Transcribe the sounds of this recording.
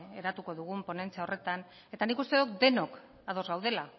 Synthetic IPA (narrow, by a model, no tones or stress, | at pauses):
eɾat̪uko̞ðuɣ̞umpo̞ne̞nt͡seaore̞t̪an | e̞t̪anikust̪eðokd̪e̞no̞k | aðo̞zɣawðe̞la